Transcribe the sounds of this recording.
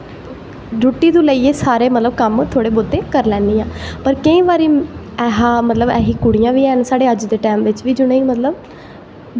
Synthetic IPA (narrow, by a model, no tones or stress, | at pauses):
ɾʊʈːiːd̪ũːləiːeːsaːɾeːmət̪ləbkəmt̪ʰoːɽeːbʊd̪eːkəɾlɛ̃ːnd̪iːãːpəɾkəĩːʋaːɾiː | ɛːɦãːmət̪ləbɛːɦiːkʊɽijãːʋiːɛːnsaːɽeːəd͡ʒd̪eːʈɛːmʋɪt͡ʃʋiːd͡ʒʊnəĩːmət̪ləb